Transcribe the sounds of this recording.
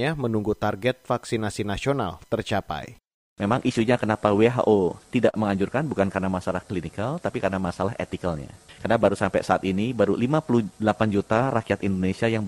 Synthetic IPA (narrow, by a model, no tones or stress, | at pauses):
amənuŋɡut̪arɡɛt̪̚faksinasinasiona̰lt̪ərt͡ʃapa̰j | memaŋʔisuɲakənapaweɦa̰ʔot̪idaʔməŋaɲd͡ʒurkanbukankarnamasalahklinikalt̪apikarənamasalaɦḛt̪ikalɲa̰karənabaɾusampɛ̰saa̰t̪inibaɾulimapuluhdəlapand͡ʒut̪arakiat̪indonesiajaŋ